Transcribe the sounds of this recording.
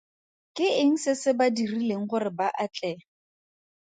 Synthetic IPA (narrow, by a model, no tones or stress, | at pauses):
kʼɪɪŋ̩sɪsɪbadirileŋ̩χʊrɪbaʔat͡ɬʼɛ